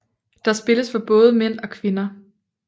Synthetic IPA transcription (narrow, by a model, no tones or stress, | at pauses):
d̥ɑ̈sb̥e̝ləsfɒ̽b̥ɔ̽ːð̞ˠəmen̰ɒ̽kʰʋe̝nɐ